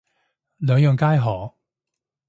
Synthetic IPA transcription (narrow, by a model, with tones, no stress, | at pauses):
lœː˨˧ŋjœː˨˧ŋkaː˥jɦɔː˨˩